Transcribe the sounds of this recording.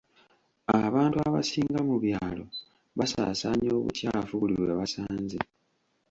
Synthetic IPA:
aβaːntuaβa̰siːŋɡamuβjaːlo̞ | βasa̰ːsaɲo̞ːβṵcaːlavuβuliβweβasaːnzi

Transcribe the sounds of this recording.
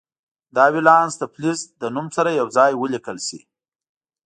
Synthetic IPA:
d̪ɑwilɑnsd̪əplizd̪ənumsaɾajawzɑjwəlikəlsḭ

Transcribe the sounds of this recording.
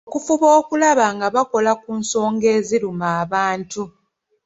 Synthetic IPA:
okufuβo̞ːkulaβaŋɡaβako̞lakuːnso̞ːŋɡe̞ːziɾumaːβaːntu

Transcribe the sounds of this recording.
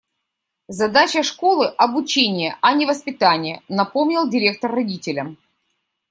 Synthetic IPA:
zɐd̪at͡ɕəʂko̞lˠɨʔɐbʊt͡ɕenʲɪjəʔɐnʲɪvəspʲɪt̪anʲɪjənɐpo̞mnʲɪlˠdʲɪɾʲe̞k̚t̪ərːɐdʲitʲɪlʲəm

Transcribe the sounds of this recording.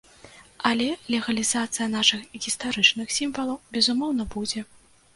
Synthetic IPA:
ɐlʲɛlʲɛɣɐlʲizat̪sɨjɐnaʂɨxɣʲist̪aɾɨt͡ʂnɨxsʲimvɐlˠɐwbʲɛzumɔwn̪ɐbud͡zʲɛ

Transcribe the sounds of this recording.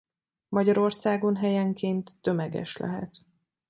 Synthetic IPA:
mɒɟɒɾo̞rsaːɡo̞nɦɛjɛŋkeːnt̪ːømɛɡɛ̰ʃlɛ̰ɦɛ̰t̪

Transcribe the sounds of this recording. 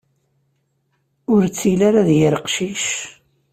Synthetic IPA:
ʊɾt͡sːilaɾaðjəɾəqʃiʃ

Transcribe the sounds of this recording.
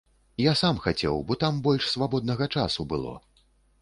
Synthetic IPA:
jasamxat͡sʲɛ̰wbɔt̪ambɔlʲʂsvabɔd̪̚nɐɣɐt͡ʂa̰subɨlˠɔ̰

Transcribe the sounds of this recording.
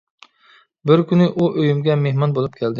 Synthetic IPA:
bɪɾkʲʰynɪʔuʔøjymɡʲɛmehmɒnbolˠɪp̚kʲʰæld̪ɪ

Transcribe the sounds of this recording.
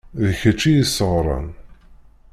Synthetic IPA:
ðəçət͡ʃːijisəʁɾˤɑ̰n

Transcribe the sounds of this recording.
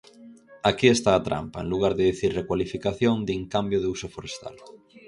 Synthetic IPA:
akiest̪aːt̪ɾa̰mpaḛnluɣ̞aɾðeðiθiɾrekwalifikaθjoŋd̪iŋkambjʊð̞eusofoɾest̪a̰l

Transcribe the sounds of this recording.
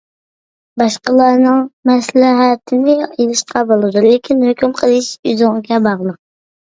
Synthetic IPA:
bɑʃqəlˠɑnɨŋmɛslɛɦæt̪ʰɪnɪelˠɨʃqʰɑbolˠɨd̪ulˠekʲʰinhøkʲymqʰəlˠɨʃyzʊŋɨɡʲɛbɑʁlˠəq̚

